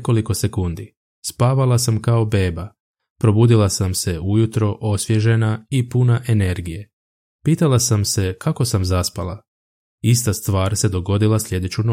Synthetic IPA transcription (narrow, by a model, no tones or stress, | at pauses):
ko̞liko̞se̞kund̪i | spaːʋalasamkaobe̞ːba | pɾo̞buːd̪ilˠasamse̞ujut̪ɾo̞ʔo̞sʋje̞ʒe̞naipunaʔe̞ne̞ɾɡije | piːt̪alˠasamse̞kʰako̞samzaspala | ist̪ast̪ʋaːɾse̞d̪o̞ɡo̞d̪ilasʎʲe̞d̪e̞t͡ɕuno